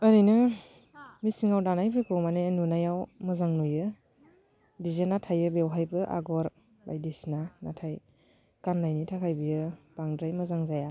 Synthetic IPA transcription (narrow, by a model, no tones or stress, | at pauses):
əɾijnɯ | misiŋawdanajpʰɾikʰɯmanenunajawmɐzaŋnujɯ | dizenatʰajɯbewɦajbɯʔa̰ɡɔɾ | ba̰jdisnanatʰaj | kanlajnitʰakʰajbijɯb̥aŋdɾajmɐzaŋzaja